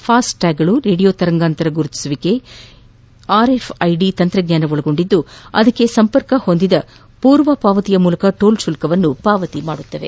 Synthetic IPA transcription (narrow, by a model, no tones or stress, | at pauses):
pʰaːsʈʈaːɡɐɭuɾeːɽijoːt̪ɐɾɐŋɡaːnt̪ɐɾɐɡuɾut̪ːi̥suʋike̞ | aːɾe̞pʰɐjɖit̪ɐnt̪ɾɐɡɲaːnɐʋoɭɐɡo̞ɳɖid̪ːuɐd̪ɐkːe̞sɐmpɐɾkɐho̞nd̪id̪ɐ | puːɾʋɐpaːʋɐt̪ijɐmuːlɐkɐʈoːlʃulkɐʋɐnːupaːʋɐt̪imaːɽut̪ːɐʋe̞̰